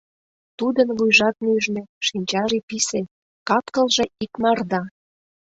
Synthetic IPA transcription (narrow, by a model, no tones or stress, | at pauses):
t̪ud̪ənvujʒɑt̪̚myʒneʃinʲt͡ɕɑʒipise | kɑt̪kəlʒĕikmɑrd̪ɑ